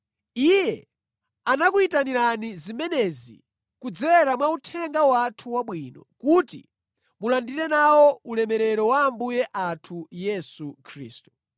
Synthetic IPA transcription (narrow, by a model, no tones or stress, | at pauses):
ijɛ | anakuitaniɾanizimɛnɛzḭ | kud͡zɛɾamwautʰɛŋɡawatʰuwaɓwiːnɔkutḭ | mulandiɾɛnawɔulɛmɛɾɛɾɔwaːmbujɛʔatʰujɛsukʰɾḭːstu̥